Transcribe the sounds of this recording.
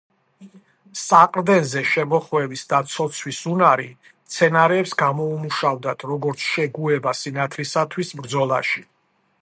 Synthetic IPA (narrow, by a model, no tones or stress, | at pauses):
saqʼɾd̪ɛnzɛʃɛmɔχwɛvisd̪at̪sʰɔt̪sʰwisunaɾi | t̪sʰɛnaɾɛːpsɡamɔumuʃavd̪at̪ʰɾɔɡɔɾt̪sʰʃɛɡuɛbasinat̪ʰɾisat̪ʰwisbɾd̪zɔlˠa̰ʃi